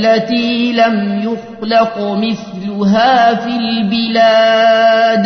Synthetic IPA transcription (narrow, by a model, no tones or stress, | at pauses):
lːat̪iːlamjʊxlɑqmɪθlʊɦaːfiːlbɪlaː | d̪